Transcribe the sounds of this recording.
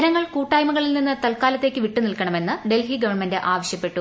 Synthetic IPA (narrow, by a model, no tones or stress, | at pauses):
ɐɾɐŋːɐɭkuːʈːaːjmɐɣɐɭilninːɨt̪ɐlkaːlɐt̪ːeːkʲːɨʋiʈːunilkɐɳɐme̞nːɨɖe̞lɦiɡɐʋɐɳmendɨʔaːʋɐɕjɐpːe̞ʈːu